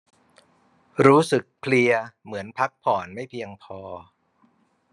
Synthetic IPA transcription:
ɾuː˦˥sɯ˨˩k̚pʰli˧ɐmɯ˩˦ənpʰa˦˥k̚pʰɔː˨˩nma˥˩jpʰi˧əŋpʰɔː˧

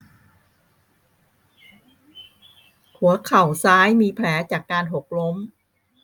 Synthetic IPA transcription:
hu˨˩˦ɐkʰa˨˩wsaː˦˥jmiː˧pʰlɛː˩˦˥t͡ɕaː˨˩kːaː˧nɦo˨˩k̚lo˦˥m

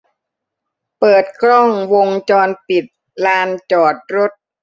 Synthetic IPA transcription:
pɤː˨˩t̪̚kʰɾɔ˥˩ŋwo˧ŋt͡ɕɔː˧npi˨˩t̪̚ | laː˧nt͡ɕɔː˨˩t̪̚ɾo˦˥t̪̚

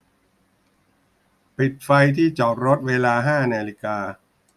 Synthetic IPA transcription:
pi˨˩t̪̚fa˧jt̪ʰiː˥˩t͡ɕɔ˨˩k̚ɾo˦˥t̪̚weː˧laː˧ɦaː˥˩naː˧li˧kaː˧

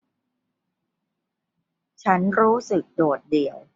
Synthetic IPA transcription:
t͡ɕʰa˦˥nɾuː˦˥sɯ˨˩k̚doː˨˩t̪̚di˨˩əw

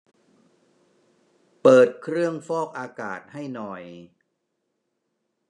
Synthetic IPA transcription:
pɤː˨˩t̪̚kʰɾɯ˥˩əŋfɔː˥˩k̚ʔaː˧ka̰ː˨˩t̪̚ha˥˩jnɔ˨˩j

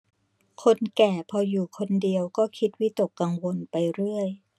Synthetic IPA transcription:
kʰo˧nkɛː˨˩pʰɔː˧juː˨˩kʰo˧ndi˧əwkɔː˥˩kʰi˦˥t̪̚wi˦˥t̪o˨˩kːa˧ŋwo˧npa˧jɾɯ˥˩əj

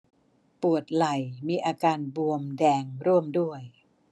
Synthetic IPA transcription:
pu˨˩ət̪̚la˨˩jmiː˧ʔaː˧kaː˧nbu˧əmdɛː˧ŋɾu˥˩əmdu˥˩əj

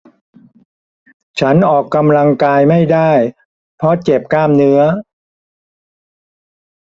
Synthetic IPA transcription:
t͡ɕʰa˦˥nʔɔː˨˩kːa˧mla˧ŋkaː˧jma˥˩jdaː˥˩j | pʰɔ˧˥t͡ɕe˨˩p̚kaː˥˩mnɯ˦˥ɐ

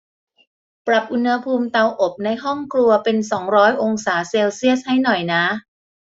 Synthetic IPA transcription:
pɾa˨˩p̚ʔu˧nha˧pʰuː˧mt̪a˧wʔo˨˩p̚na˧jɦɔ˥˩ŋklu˧ɐpe˧nsɔː˩˦ŋɾɔː˦˥jʔo˧ŋsaː˩˦seː˧wsi˥˩əs̚ha˥˩jnɔ˨˩jna˦˥

